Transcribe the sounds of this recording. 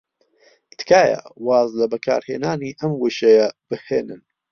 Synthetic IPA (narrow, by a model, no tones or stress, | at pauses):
t̪ʰkaːjɐ̰waːzlɐbɐkʰa̰ːɾheːnaːniːʔɐmwuʃɐjɐb̥ɨheːnɨn